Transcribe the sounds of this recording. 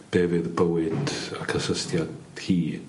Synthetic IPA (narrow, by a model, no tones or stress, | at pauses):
b̥eːvɨðbəwɪdakʰəsəstjad | hiː